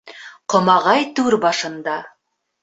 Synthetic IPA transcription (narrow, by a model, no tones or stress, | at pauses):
qʰŏmɑʁɑjt̪ʉɾbɑʃənd̪ɑ